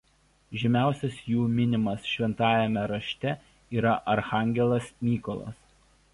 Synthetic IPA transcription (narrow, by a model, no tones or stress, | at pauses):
ʒʲɛmʲæˑʊsʲɛsjuːmʲɪnʲɪmɐsʃʲʋʲɛnt̪ɑːjɛmʲɛɾɐʃʲt̪ʲɛ | iːɾɐʔɐɾxɑːˑŋʲɡʲɛlˠɐsmʲiːkɔlˠɐ̰s